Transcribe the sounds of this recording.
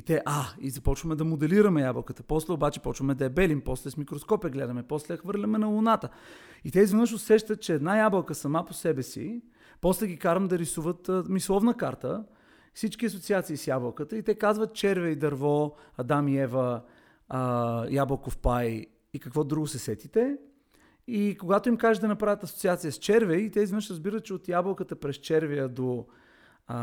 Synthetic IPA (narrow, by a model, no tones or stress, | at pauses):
it̪ɛʔaizɐpɔt͡ʃvəmɛd̪ɐmod̪ɛliɾəmɛjablˠkət̪ə̥pɔslɛobat͡ʃɛ̥pɔt͡ʃvəmɛd̪ɐɛbɛlimpɔslɛsmikɾoskɔpiɛɡlɛd̪ɐmɛpɔslɛxvɤɾlʲɐmɛnɐlˠʊnat̪ə | it̪ɛizvɛnɤʃʊsɛʃt̪ət̪̚t͡ʃɛɛd̪najablˠəlˠkəsɐmaposɛbɛsḭ | pɔslɛɡʲikaɾəmd̪ɐɾisuvət̪mislˠɔvnəkaɾt̪ə | fsit͡ʃkʲiɐsot̪siat̪sisjabəlˠkət̪əit̪ɛkazvət̪̚t͡ʃɛɾvɛjd̪ɐɾvɔɐd̪amjɛvə | jablˠəkofpaj | ikɐkvɔd̪ɾuɡʊsɛsɛt̪it̪ɛ | ikoɡat̪oimkaʒɛd̪ɐnɐpɾavʲət̪ɐsot̪siat̪sijəst͡ʃɛɾvɛjit̪ɛizvnəʃɾəzbiɾət̪t͡ʃɛot̪jabəlˠkət̪əpɾɛst͡ʃɛɾvɛjəd̪o